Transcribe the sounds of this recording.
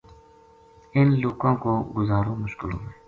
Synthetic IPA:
ɪnluːkõːkoːɡʊzaːɾõːmʊʃkɪlo̰ːɦẽː

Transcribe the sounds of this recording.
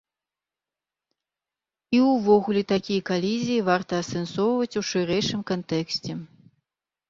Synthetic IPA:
iwvɔɣulʲɛt̪akʲijɐkalʲizʲijivart̪ɐːsɛnsɔwvɐt͡sʲuʂɨɾɛjʂɨmkant̪ɛksʲt͡sʲɛ

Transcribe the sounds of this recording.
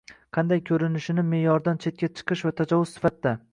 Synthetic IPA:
qʰɑnd̪ajkʲʰɵɾɪnɪʃɪnɪme̞jɒɾd̪ant͡ʃʰe̞t̪̚kʲat͡ʃʰɨ̥qʰɨʃvat̪ʰad͡ʒɒvʊzsɪ̥fat̪d̪a

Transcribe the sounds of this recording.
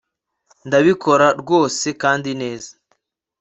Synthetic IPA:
ndaβiko̞ɾaɾɡo̞ːse̞kaːndine̞ːza

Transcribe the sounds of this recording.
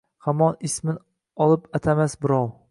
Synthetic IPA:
hamɒnɪsmɪn | ɒlˠɪpat̪ʰamasbɪɾɒw

